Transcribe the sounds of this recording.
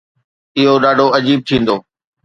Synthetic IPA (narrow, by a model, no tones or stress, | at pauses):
ɪɦoɗaːɖʱoɐd͡ʑiːb̚t̪ʰĩːnd̪oː